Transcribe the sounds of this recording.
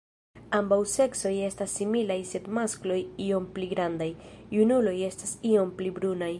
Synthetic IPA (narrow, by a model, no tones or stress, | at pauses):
ambawse̞kso̞je̞stasːimilajse̞dmasklo̞jio̞mpliɡɾandajːunulo̞je̞stasio̞mplibɾunaj